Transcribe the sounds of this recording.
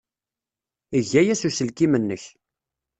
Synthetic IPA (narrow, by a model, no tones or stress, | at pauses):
əʝːæjæsusəlkimənːəç